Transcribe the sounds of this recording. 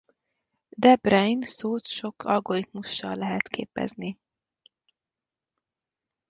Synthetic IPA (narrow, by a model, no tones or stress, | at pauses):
d̪ɛbrɛjnsoːt̪ʃo̞kʰɒlɡo̞rɾit̪muʃːɒlːɛɦɛt̪kʰḛːpɛ̰zni